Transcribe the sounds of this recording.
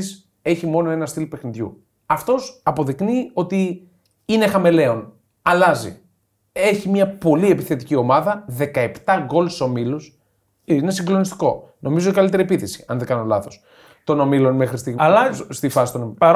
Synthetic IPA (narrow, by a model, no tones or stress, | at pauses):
s | e̞çimo̞no̞e̞nɐst̪ilpe̞xniðʝṵ | ɐft̪o̞sɐpo̞ðiknio̞t̪i | ine̞xɐme̞le̞o̞n | ɐlɐzḭ | e̞çimɲɐpo̞lie̞piθe̞t̪icio̞mɐðɐðe̞kɐe̞pt̪ɐɣo̞lso̞milus | ine̞siŋɡlo̞nist̪i̥ko̞nʔo̞mizot̪ikɐlit̪e̞ɾiepiθesi̥ɐnðekɐnolɐθo̞s | t̪o̞no̞milo̞nme̞xɾist̪iɣst̪ifɐsi̥t̪oni